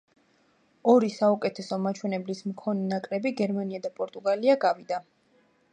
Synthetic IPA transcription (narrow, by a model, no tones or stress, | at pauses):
ɔɾisaukʼɛt̪ʰɛsɔmat͡ʃʰwɛnɛblismkʰɔnɛnakʼɾɛbiɡɛɾmaniad̪apʼɔɾt̪ʼuɡaliaɡavid̪a